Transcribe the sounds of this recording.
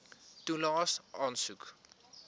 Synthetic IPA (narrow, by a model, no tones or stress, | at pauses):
t̪ulɔsɔnsuk